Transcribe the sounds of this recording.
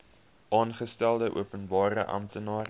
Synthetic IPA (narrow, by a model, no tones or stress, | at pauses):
ʔɑːnχəstælˠdəʔṵəpənbɑːɾəʔɐ̰mtənɑːr